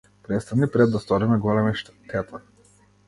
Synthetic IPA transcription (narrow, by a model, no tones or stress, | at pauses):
pɾɛt̪st̪anipɾɛd̪ːast̪ɔɾimɛɡɔlɛmɛʃt̪ʰɛt̪aɾ